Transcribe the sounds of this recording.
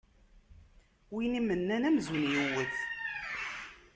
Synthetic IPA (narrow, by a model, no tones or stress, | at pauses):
winimːənːænæmzənjuwəθ